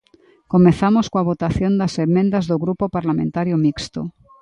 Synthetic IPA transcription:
komenθamoskoaβ̞ot̪aθjo̞nd̪asemːẽnd̪azðoɣɾupopaɾlamẽnt̪aɾjomikst̪o̰

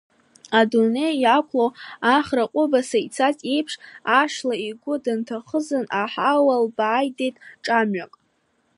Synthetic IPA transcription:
adune̞jakʷʰlowaχraqʷʼʊbasait͡sʰat͡sʼejpʰʂaʂlaiɡʷʊdantʰaχəzɨnaħawalbaːjdejtʼʈ͡ʂʼamɥakʼ

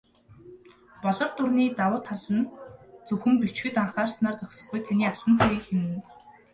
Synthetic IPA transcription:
pɔɮɞ̆rt̪ʊrniːt̪awʊːt̪ʰːaɮə̆nt͡sɵxɘ̆mpit͡ɕxɘ̆t̪aɴχaːrsnaːrt͡sɔkʲsɞ̆χɡujt̪ʰaniːaɮə̆nt͡sʰeɣiːkxem̆ɘ̆n

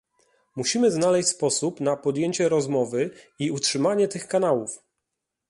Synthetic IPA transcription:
muɕimɘznalɛɕʲspɔsupnapɔd̪jeɲt͡ɕɛɾɔzmɔvɘ | iutʂɘmaɲɛt̪ɘxkanawuf

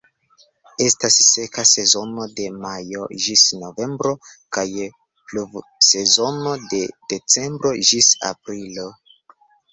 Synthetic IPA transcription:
e̞stasːe̞kase̞zo̞no̞de̞majo̞ʒisno̞ve̞mbɾo̞kaj | pluv | se̞zo̞no̞de̞d̥e̞t͡se̞mbɾo̞ʒisa̰pɾilo̞

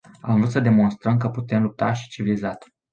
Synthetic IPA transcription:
a̰mɨnvlut̪səd̪e̞mo̞nst̪ɾəmkəput̪e̞mlup̚t̪aʃi̥t͡ʃivilizat̪

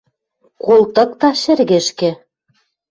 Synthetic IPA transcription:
kulˠt̪ɤ̆k̚t̪ɑʃɘ̆rɣɘ̆ʃkĕ

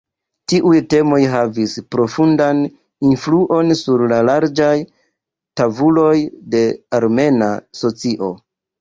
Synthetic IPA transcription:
tiʔujte̞mo̞jɦavispɾo̞fundan | influʔo̞nsuɾlalaɾd͡ʒaj | tavulo̞jde̞aɾme̞na̰so̞t͡siʔo̞

